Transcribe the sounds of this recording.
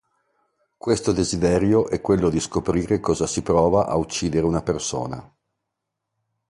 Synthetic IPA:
kwest̪od̪ezid̪ɛɾjoʔɛkːwelːod̪iskopɾiːɾekɔːzasipɾɔːvaʔa̰ut͡ʃːiːd̪eɾeunaperso̰ːna̰

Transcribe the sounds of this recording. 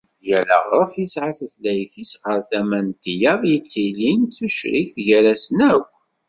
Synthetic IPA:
jælə̰ʁɾˤəfjəsʕaθəθlæjθisʁəɾθæmænt̪ijɑðˤjət͡sːilinθuʃɾiθʝæɾæsənæw

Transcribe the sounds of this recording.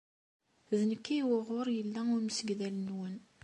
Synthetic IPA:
ðnəkːiwəʁoɾˤjəlːæʊɾməsəɡðælənwən

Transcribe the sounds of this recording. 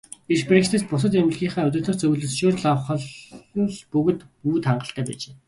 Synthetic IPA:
it͡ɕprekt̪ʰeːspʊs̬ə̆t̪em̆ɮɣʲiːχæːʊt̪ə̆t̪ə̆t͡sɵɣɮɵ̆ɮʃoːrɮawχə̆ɮɮpɵɣɘ̆t̪uːt̪χaɴɢə̆ɬt̪ʰæːpæ̰ːt͡ɕeː

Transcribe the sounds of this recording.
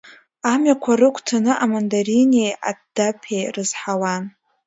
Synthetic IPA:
amɥakʷʰarɨkʷʰtʰanɨʔamandaɾineja̰dd̥apʰejrɨzħawan

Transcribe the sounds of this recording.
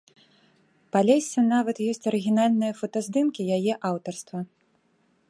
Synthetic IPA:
palʲɛsʲːɐnavɐt̪jɔsʲt͡sʲɐɾɨɣʲinalʲnɨjɐfɐt̪ɐzʲd̪ɨmkʲijajɛʔawt̪ɐrst̪vɐ

